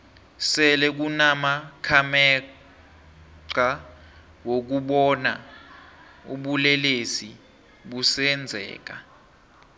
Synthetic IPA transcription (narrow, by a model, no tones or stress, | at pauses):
sɛlɛk̬unamakʰamɛ | ǀa | wok̬uɓɔna | ṵɓulɛlesi | ɓusɛnd͡zʱɛ̰ːk̬a